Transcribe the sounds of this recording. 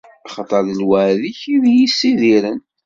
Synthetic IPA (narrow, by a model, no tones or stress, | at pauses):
ɑχɑt̪ˤːɑðəlwæʕðiçiðjisːiðiɾən